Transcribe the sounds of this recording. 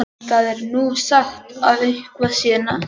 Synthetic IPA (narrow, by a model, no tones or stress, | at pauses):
θaðɛɾnusaxt̪avejŋ̥kvasjɛːna